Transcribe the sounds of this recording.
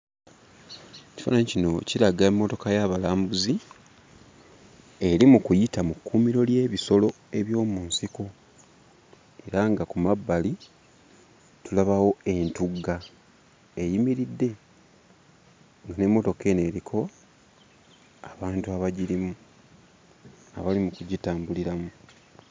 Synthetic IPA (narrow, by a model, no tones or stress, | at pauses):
ecifa̰naɲcino̞ciɾaɡaemːo̞to̞kajaβalaːmbuzi | e̞ɾimukujitamukːuːmiɾo̞lje̞ːβiso̞lo̞ | e̞βjo̞ːmunsiko̞ | e̞ɾaŋɡakumabːali | tulaβawo̞e̞ntuɡːa | ejimiɾidːe̞ | ŋɡane̞mːo̞to̞ke̞ne̞ɾikʰo̞ | aβaːntuaβaɟiɾimu | a̰βalimukuɟitaːmbuliɾamu